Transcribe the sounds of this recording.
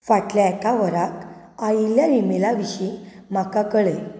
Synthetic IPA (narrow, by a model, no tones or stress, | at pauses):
faʈljaekaʋəɾak | ailjaɾimelaʋiɕim̤akakəɭe